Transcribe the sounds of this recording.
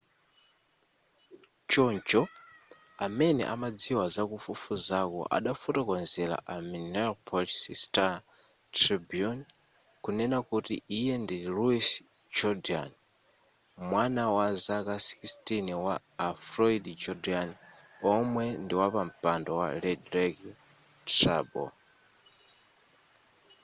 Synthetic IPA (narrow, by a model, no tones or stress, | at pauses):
t͡ʃɔnd͡ʒɔ | amɛnɛ̰ʔamad͡ziwazakufufuzakɔ̰ʔa̰ɗafutɔkɔnzɛɾa̰ʔaminɛlpʰɔtsista | tɾibijun | kunɛnakutḭijɛndiluis | d͡ʒɔdia̰n | mwanawazakasi̥kistʼiniwaː | fɾɔidd͡ʒɔdian | ɔmwɛndiwapam̩pʼandɔwa̰lɛdɾɛk | trabɔ̰